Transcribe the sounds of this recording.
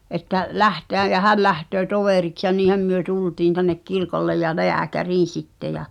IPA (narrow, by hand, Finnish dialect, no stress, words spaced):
ʔetːæ læhteæj jæ hæl læhtøː toʋeˑriks jɑ niːhæm myø tultiːn tænːek kirkolːej jɑ leækæriːn̞ sitːe jɑ